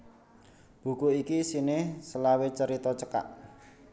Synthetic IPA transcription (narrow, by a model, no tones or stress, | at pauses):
b̥ṳkuikisinɪhsəlawet͡ʃəɾit̪ɔt͡ʃəka̰ʔ